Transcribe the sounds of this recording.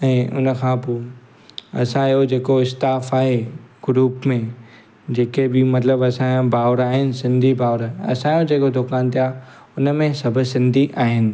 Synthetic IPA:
ɛ̃ːʔʊ̰nə̆kʰãːpoː | ɐ̰sãjod͡ʑeːkoɪst̪aːfaːɦeɡ̥ʊɾuːpmẽ | d͡ʑeːkebɪmɐt̪ləbɐsããbʱaːʋɾaːɦɪnɪ̆sɪ̃nd̪ʱibaːʋɾaːɦeɐ̰sãjod͡ʑeːkod̪ʊkaːnt̪ijaː | ʊnəmẽsɐbʱʊ̆sɪ̃nd̪ʱiʔaːɦɪnɪ̆

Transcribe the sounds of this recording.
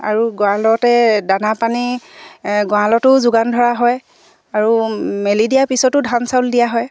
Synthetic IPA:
a̰ɹuɡɔãlɔtɛdanapani | ɡɔalɔtʊzʊɡandʱɔɹaɦɔj | aɹumelidijaɹpisɔtʊdʱansawldijaɦɔj

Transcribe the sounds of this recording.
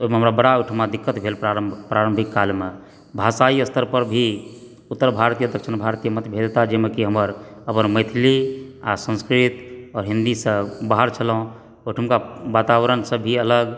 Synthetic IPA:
oɦimeɦəmɾabəɽauʈʰəmad̪ikːət̪bʱelpɾaɾəpɾaɾəmbʱikːalme | bʱasaiəst̪ʰəɾpəɾbʱi | ut̪ːəɾbʱaɾt̪ijəd̪əkʃinbʱaɾt̪ijəmət̪bʱed̪t̪ad͡ʒemekiɦəməɾəpənməjt̪ʰilia̰sə̃nskɾit̪ɔːɾɦind̪isə̃baɦəɾt͡ʃʰəlɦũ | uʈʰəmkaʋat̪aʋɾənsə̃bʱiələɡ

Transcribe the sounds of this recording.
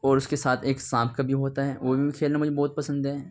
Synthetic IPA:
ɔːɾʊskesaːt̪ʰeːksãːpʰkabʱiɦoːt̪aɦɛːʋobʱiikʰeːlnamʊd͡ʒʱebɔːt̪̚pɐsə̃nd̪ɦɛː

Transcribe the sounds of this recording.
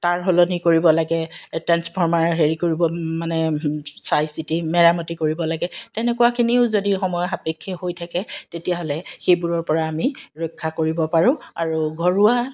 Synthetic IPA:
taɹɦolɔnikoɹibɔlaɡɛtɛnspʰɔɹmaɹɔɦeɹikoɹibɔmanɛsajsitimɛɹamɔtikoɹibɔlaɡɛtɛnɛkʊwakʰiniʊzodixɔmɔjɔxapekʰːiɦojtʰakɛtetijaɦɔlɛxejbuɹɔɹpɔɹaːmiɹɔjkʰːakoɹibɔpaɹʊ̃aɹuɡʱɔɹuwa

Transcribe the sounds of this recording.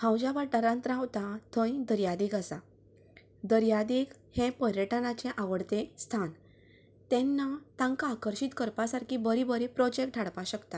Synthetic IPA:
hãwd͡ʑaʋaʈəɾãnt̪ɾãwt̪at̪ʰə̃ĩd̪əɾjad̪iːkasa | d̪əɾjad̪ik | hẽpəɾjəʈənat͡ɕẽʔaʋəɽt̪ẽst̪ʰan | t̪ɛ̃nːat̪ãŋkaːkəɾɕit̪kəɾpasaɾkʰibəɾibəɾipɾɔd͡ʑekʈʈʰaɽpaɕəkt̪a

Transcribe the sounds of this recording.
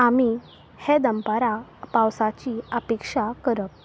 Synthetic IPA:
ami | hed̪əmpaɾapawsat͡ɕiapekʂakəɾəp̚

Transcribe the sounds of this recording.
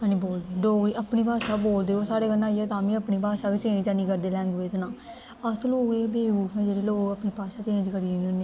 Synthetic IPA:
aniboːld̪eːɖoːɡɾiːəpniːpaːʃaːboːld̪eːoːsaːɾeːɡəlːãːiɛːt̪ãːmĩːəpniːpaːʃaːbit͡ʃẽːt͡ʃaːnĩːkəɾd̪eːlɛ̃ːŋɡʋeːd͡ʒnãː | əsloːɡeːbʱeːũːd͡ʒeːɽeːloːɡəpniːpaːʃaːt͡ʃẽːd͡ʒkəɾiːnoneː

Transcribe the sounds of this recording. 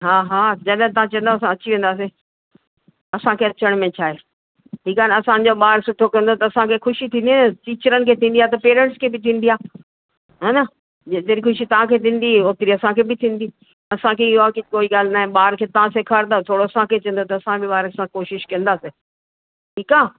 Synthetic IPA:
ɦaːɦaːd͡ʑɐɗɦɛ̃t̪ɐãt͡ɕɐ̃ːnd̪oːɐs̬ãɐt͡ɕiʋẽːnd̪aːs̬e | ɐsãkʰeːɐt͡ɕəɽ̃mẽt͡ɕʰaːɦeː | ʈʰiːkaːnɐsãɲ̆d͡ʑoɓaːɾsʊʈʰːokɐ̃nd̪ot̪ɐɐsãkʰexʊʃit̪ʰĩːnd̪iʈiːt͡ɕəɾənɪkʰeːt̪ʰĩːnd̪iaːt̪ɐpeːɾɛ̃ɳʈskʰeːbɪt̪ʰĩːn̆d̪iaː | ɦaːnɐ | d͡ʑet̪eɾixʊʃit̪ɐʋ̤ãkʰeːt̪ʰĩːn̆d̪ioːt̪ɪɾiɐsãkʰebɪt̪ʰĩːnd̪iː | ɐsãkʰeɪakikoːiɠaːl̤naːɦɪ̃ɓaːɾkʰeːt̪ɐʋ̤ãsekʰaːɾnaːt̪ʰoːɽoɐsãkʰet͡ɕɐ̃ːnd̪ot̪ɐɐsãbɪɓaːɾəksãkoːʃɪʃkɐ̃nd̪aːse | ʈʰiːkaː

